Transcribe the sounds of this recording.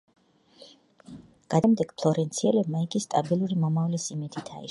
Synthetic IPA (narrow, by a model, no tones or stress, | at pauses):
ɡ̥ad̪amd̪ɛɡ̥pʰlˠɔɾɛnt̪sʰiɛlɛb̚maiɡist̪ʼabilˠuɾimɔmavlisimit̪ʰit̪ʰa̰ḭ